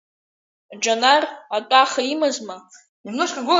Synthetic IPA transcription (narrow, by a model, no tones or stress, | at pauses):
d͡ʒanaratʼaχaimazma | imnoʂkʰʼaɡʷʊ